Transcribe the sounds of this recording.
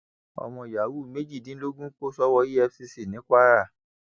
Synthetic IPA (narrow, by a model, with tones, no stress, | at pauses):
ɔ̰˨mɔ̃˧˨ja˨wu˦˨me˦d͡ʒi˦˨dĩ˨˦lo˦ɡũ˦k͡po˦sɔ˦wɔ˧i˦ɛ˧fsi˧si˨nĩ˨˦k͡pa˦ɾa˦˨